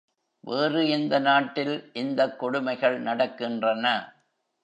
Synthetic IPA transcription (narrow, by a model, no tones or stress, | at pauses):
ʋeːrɯɪnd̪ɐnaːʈːɪlʔɪnd̪ɐkːɔɽʊmɐɪɣɐɭnɐɽɐkːɪndrɐnɐ